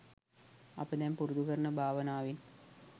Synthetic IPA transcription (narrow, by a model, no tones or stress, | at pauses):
ɐ̰pːɐt̪ːaːnpuruðuɣɐɾɳɨbʱaːʋɐnaːʋin